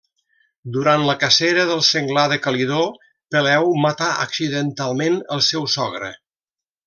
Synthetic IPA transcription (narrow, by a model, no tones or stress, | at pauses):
d̪uɾant̪ləkəseɾəðəlˠsəŋɡlaðəkəliðo | pəlɛwmət̪aʔə̰ksiðənt̪alˠmenəlˠsɛwsɔɣɾə̰